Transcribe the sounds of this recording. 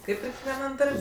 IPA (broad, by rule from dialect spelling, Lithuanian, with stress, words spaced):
ˈkɐɪp ɪr kʲɛkʋʲiɛˈnɐm ˈdɐrʲpʲ